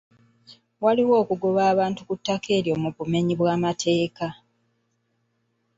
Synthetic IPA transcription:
waliwo̞ːkuɡoβaːβaːntukutːakʰe̞ːɾjo̞ːmuβume̞ɲiβwaːmatʰe̞ːka

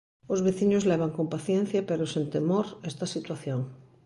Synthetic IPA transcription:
ozβeθiɲozleβ̞aŋkompaθjen̟θjapeɾosẽnt̪emoɾest̪asit̪waθjoŋ

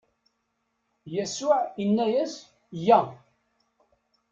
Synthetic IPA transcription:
jæsʊʕinːæjæs | jæ

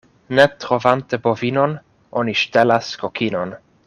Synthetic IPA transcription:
net̪ɾovant̪ebovinon | ʔoniʃtelaskokʰinon

